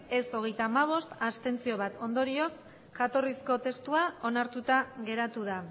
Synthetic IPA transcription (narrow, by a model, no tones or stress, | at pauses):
e̞so̞ɣe̞jt̪aːmaβ̞o̞st̪ast̪e̞nt͡sio̞β̞at̪o̞nd̪o̞ɾio̞s | ʝat̪o̞risko̞t̪e̞st̪uao̞naɾt̪ut̪aɣe̞ɾat̪uð̞a